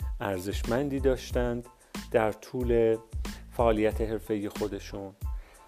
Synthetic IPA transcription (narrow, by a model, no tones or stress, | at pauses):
ʔæɾze̞ʃmænd̪iːd̪ɒːʃt̪ænd̪ː | æɾt̪ʰuːle̞fæʔɒːlijæt̪ʰe̞ɦe̞ɾfe̞ije̞xo̞d̪e̞ʃuːn